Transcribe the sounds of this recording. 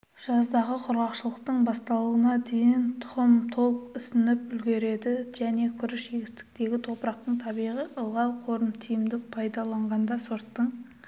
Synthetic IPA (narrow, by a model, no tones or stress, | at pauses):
ʒ̥ɑzd̪ɑʁəqʰʊɾʁɑqʃəlˠəqt̪əɴbɑst̪ɑlˠuənɑd̪e̞jɪnt̪ʰʊ̥ʁəmt̪ʰo̞lˠəqɪsɪnɪpʏlɡʲe̞ɾe̞d̪ɪʒ̥æne̞kʲʰʏɾɪʃʒeɡʲɪst̪ɪ̥k̚t̪e̞ɡʲɪt̪ʰo̞pɾɑqt̪əɴt̪ʰɑbijʁiʔəlˠʁɑw̪ˠqʰo̞ɾəmt̪ʰijɪmd̪ɪk̚pʰɑjd̪ɑlˠɑɴʁɑnd̪ɑsoɾt̪ːəɴ